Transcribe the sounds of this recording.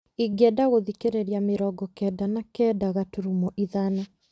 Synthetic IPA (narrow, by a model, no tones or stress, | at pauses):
iɡɛdaɣoðikeɾeɾiameɾɔɡɔkɛdanakɛdaɣatuɾumɔʔiðana